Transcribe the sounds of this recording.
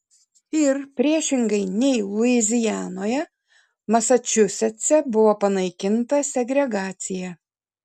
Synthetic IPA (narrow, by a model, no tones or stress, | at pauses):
ɪɾpʲɾʲiɛʃʲɪŋɡɐɪnʲɛɪʊɪzʲɪjæːnoːjɛ | mɐsɐt͡ʃʲʊsʲɛsʲɛbʊʋoːpɐnɐɪkʲɪnt̪ɐsʲɛɡɾʲɛɡɑːt̪sʲɪjɛ